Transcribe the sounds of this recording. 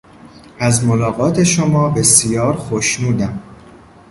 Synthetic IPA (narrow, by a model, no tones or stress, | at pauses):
ʔæzmolɒːɣɒːt̪ʰe̞ʃomɒːbe̞sijɒːɾxoʃnuːd̪æm